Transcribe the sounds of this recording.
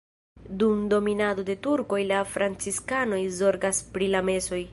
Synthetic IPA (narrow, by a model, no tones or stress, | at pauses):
dumdo̞minado̞de̞tuɾko̞jlafɾant͡siskano̞jzo̞ɾɡaspɾilame̞so̞j